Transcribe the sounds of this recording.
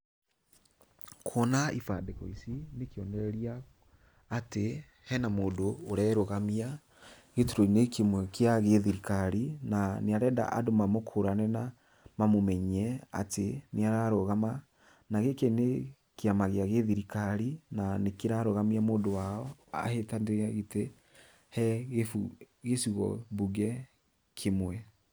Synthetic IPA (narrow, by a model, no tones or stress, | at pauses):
kʰwɔnaifadekɔisinekeɔnɛɾɛɾiaː | te | hɛnamoːndoːɾɛɾoɣamia | ɣetuɾoinekemɛkeaɣeðiɾikaɾinaneaɾɛda̰ʔa̰domamokʰoɾanɛna | mamomɛɲɛa̰teneaɾaɾoɣama | naɣekene | keamaɣeaɣeðiɾikaɾinanekeɾaɾoɣamiamoːndowaɔa̰hetandeɣaɣete | hɛɣefu | ɣesiɣɔ̰buɡɛ | kʰemwɛ